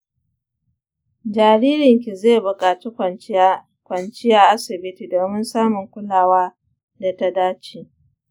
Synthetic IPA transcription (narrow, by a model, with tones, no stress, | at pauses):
d͡ʒaː˨ɽiː˦ɾɪ˨ŋk̬ʲi˨zeː˦˨bʊ˨kʼaː˨t͡ʃi˦ | kʷɐ˨nt͡ʃɪ˦jaː˦ʔa˦sɪ˨bɪ˦ti˨doː˨mɪ˦nsaː˦mʊ˨ŋkʷʊ˦laː˦waː˦ | da˨ta˦daː˦t͡ʃiː˨